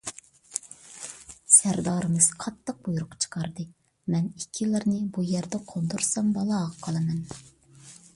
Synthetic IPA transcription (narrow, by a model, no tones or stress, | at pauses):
sæɾd̪ɑːɾɨmɨz̥qʰɑt̪ʰːəq̚bujuɾʊqt͡ʃʰə̥qʰɑɾd̪ɨ | mɛnikʲʰːilɪɾnɨbujɛɾd̪ɛqʰond̪uɾsɑmbɑlˠɑʁɑqʰɑlˠɨmɛn